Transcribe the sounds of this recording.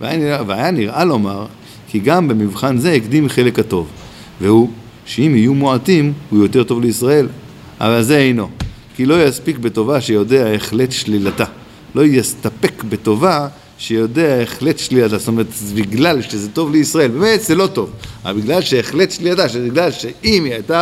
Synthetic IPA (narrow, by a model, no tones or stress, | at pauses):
veajaniaveajaniʁʔalo̞maʁ | kiɡambe̞mivχanze̞ikd̪imχe̞le̞khato̞v | vehu | ʃeimijumoatimhujo̞t̪e̞ʁto̞vleisʁae̞l | ʔa̰valze̞ejno̞ | kilo̞jaspikbe̞to̞vaʃejo̞de̞aeχle̞tʃlilata | lo̞jast̪ape̞kbe̞to̞va | ʃejo̞de̞aeχle̞tʃlilatast̪o̞me̞ʁetbiɡlalʃezeto̞vleisʁae̞lbeːme̞t̪zelo̞to̞va̰biɡlalʃeːχle̞tʃlilataʃebiɡlalʃeimiajta